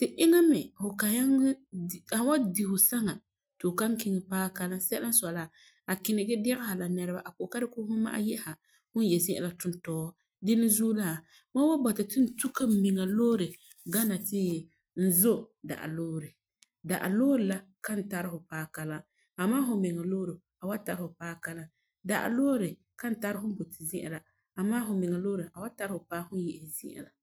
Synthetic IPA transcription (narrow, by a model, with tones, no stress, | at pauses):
tɪ˨ʔɪ˦ŋa˦mɛ˨hʊ˨ka˨a˦ŋ˦˨ka˨n˦wa˦di˨hʊ˨sa˦ŋa˨ | tʊ˨ka˦ŋ˦ki˦ŋɪ˦paː˦ka˦la˦sɛ˦a˦n˦sa˨la˦˨ | a˨kɪ˨nɪ˨ɡɪ˦dɛ˦ɣɪ˦ha˨la˨nɛ˦ɾɨ˦ba˦ʔa˨ko˨ka˦ɾɪ˦kʊ˦hʊ˦ma̰˦ʔa̰˦jɛ˦ha˨ | hʊ˦n˦jɛ˨sɪ˦ɛ̰˨la˦tʊ˦n˦tɔː˦ | dɪ˦nɪ˦zu˦la˦˨ | ma˦wa˦bɔ˨tɪ˨tɪ˦n̩˦tu˦ka˦m̩˦mi˨ŋa˨loː˦ɾɪ˨ | ɡa˦na˨tɪ˦ | n̩˦zo˦da̰˨ʔa̰˨loː˦ɾɨ˨ | da˨ʔa̰˨loː˦ɾɨ˨la˦ | ka˦n̩˨ta˦ɾɪ˦hʊ˨paː˦ka˨la˦ | a˨maː˦ɦʊ˨mɪ˨ŋa˨loː˦ɾɨ˨ | a˨wa˦ta˨ɾhʊ˨paː˦ka˦la˦ | da˨ʔa̰˨loː˦ɾɨ˨ | ka˦n̩˦˨ta˦ɾɪ˦ɦʊ˦bo˨tɪ˨zɪ˦ʔɛ̰˨la˨ | a˨maː˦ɦʊ˨mɪ˨ŋa˨loː˦ɾɨ˨ʔa˨wa˦ta˦ɾhʊ˨paː˦hʊ˦n˦jɛ˨ʔzɪ̰˦ʔɛ̰˨la˨